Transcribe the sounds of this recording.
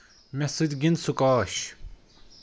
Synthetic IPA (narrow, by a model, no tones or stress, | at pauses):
mesɨd̪ɡinsukaːɕ